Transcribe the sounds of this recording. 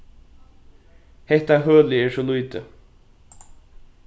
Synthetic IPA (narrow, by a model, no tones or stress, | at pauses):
hɛht̪aɦœːlɪɛːɹsɔlujt̪ɪ